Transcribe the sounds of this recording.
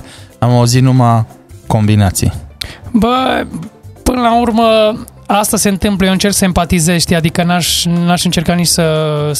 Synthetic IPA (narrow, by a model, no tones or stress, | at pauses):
amauzit̪numako̞mbinat̪sḭbə | pɨnəlaurmə | ast̪ase̞ɨnt̪ɨmpləjeɨnt͡ʃe̞rksəempat̪ize̞ʃt̪ʲad̪ikənaʃnaʃɨnt͡ʃe̞rkat̪niʃʲsə